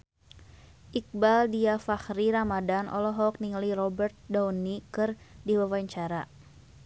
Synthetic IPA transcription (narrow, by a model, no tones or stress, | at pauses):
ʔik̚baldiafahɾiɾamadanʔɔ̰lɔɦɔk̚niŋlirɔbərt̪̚dawnikɨrdiwawaɲt͡ʃaɾa